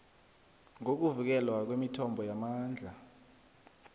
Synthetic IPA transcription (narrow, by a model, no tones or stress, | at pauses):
ŋok̬uvik̬ɛlwak̬wemitʰɔmbʱɔjamaːnd͡ɮʱa